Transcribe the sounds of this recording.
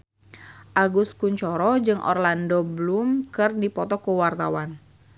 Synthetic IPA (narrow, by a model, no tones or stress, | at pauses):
ʔaɡuskuɲt͡ʃɔɾɔd͡ʒɨŋʔɔ̰rlandɔblumkɨrdipɔt̪ɔkuwart̪a̰wan